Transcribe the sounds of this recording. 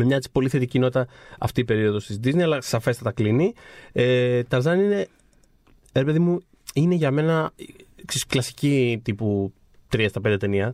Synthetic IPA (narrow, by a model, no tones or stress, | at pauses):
memɲɐet͡si̥po̞liθe̞t̪icino̞t̪ɐɐ̰ft̪iːpe̞ɾio̞ðo̞st̪izd̪izneiɐlɐsɐfe̞st̪ɐt̪ɐkliniet̪ɐɾzɐnine̞ | ɾe̞pe̞ðimu | ine̞ʝɐme̞nɐksesklɐsi̥cit̪ipu | t̪ɾiɐst̪ɐped̪et̪e̞niɐ